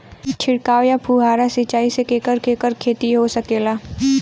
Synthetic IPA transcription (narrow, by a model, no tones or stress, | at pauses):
t͡ʃʰɪɽkaːʋjapʰuɦaːɾasɪt͡ʃaːisekeːkəɾkeːkəɾkʰeːt̪iɦosɐkeːlaː